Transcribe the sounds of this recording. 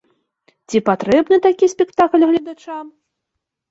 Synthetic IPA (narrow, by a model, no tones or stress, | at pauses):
t͡sʲipat̪ɾɛbnɨt̪akʲisʲpʲɛkt̪aklʲɣlʲɐd̪at͡ʂam